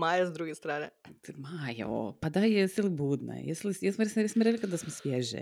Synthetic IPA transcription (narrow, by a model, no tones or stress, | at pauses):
majazd̪ɾuɡest̪ɾaːnɛt̪majo̰o̰pad̪ajɛsilˠibuːd̪na̰jɛslˠisjɛsmɔɾesɾesmɔɾeklʲˠikad̪d̪asmosʋʲjɛʒɛ̰